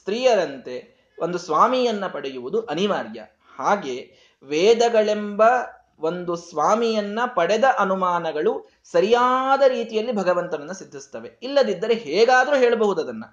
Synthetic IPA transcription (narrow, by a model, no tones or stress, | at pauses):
st̪ɾiːjɐɾɐnt̪e̞ | ʔond̪usʋaːmijɐnːɐpɐɽejuʋud̪uʔɐniʋaːɾjɐ̰ | haːɡe̞ː | ʋeːd̪ɐɡɐɭembɐ | ʋo̞nd̪usʋaːmijɐnːɐpɐɽɛd̪ɐʔɐnumaːnɐɡɐɭu | sɐɾijaːd̪ɐɾiːt̪ijɐlːibʱɐɡɐʋɐnt̪ɐʋɐnːɐsid̪ʱːist̪ɐʋe̞ilːɐd̪id̪ːɐɾe̞ɦɛːɡaːd̪ɐɾuɦe̞ːɭɐbɐɦud̪ɐd̪ɐnːɐ